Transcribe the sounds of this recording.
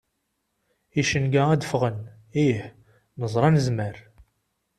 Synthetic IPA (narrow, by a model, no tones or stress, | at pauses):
iʃənɡææd̪əfʁən | iħ | nəzˤɾˤɑnəzməɾ